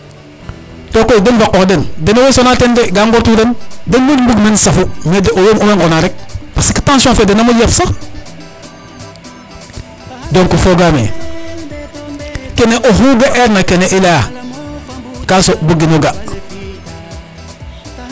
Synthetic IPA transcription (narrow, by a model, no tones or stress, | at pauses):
tokoidenvakokdendenowesonatendeɡaŋɡoɾtudendenmudmbuɡmensafumedeʔojomomeŋɡonaɾek̚pasiki̥tãnsiõfedenamujafsa | doŋkufoɡamḛ | keneʔoɦuɡaʔeɾnakeneʔila | kasobuɡinoɡa